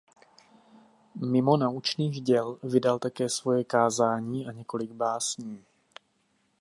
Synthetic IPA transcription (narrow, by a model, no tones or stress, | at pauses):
mɪmo̞naut͡ʃniːɣɟɛlvɪdalt̪akɛːsvo̞jɛkaːzaːɲiːʔaɲɛko̞lɪɡ̚baːsɲiː